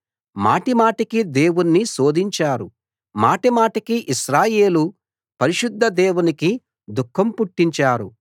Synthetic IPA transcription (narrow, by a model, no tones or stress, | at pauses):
ma̰ːʈimaːʈikid̪e̞ːwunːisoːd̪ʱiɲt͡ʃaːɾu | maːʈimaːʈikiʔiʃɾaːje̞ːlu | pɐɾiʃud̪ʱːɐd̪eːwuniki | d̪ukʰːɐmpuʈːiɲt͡ʃaːɾu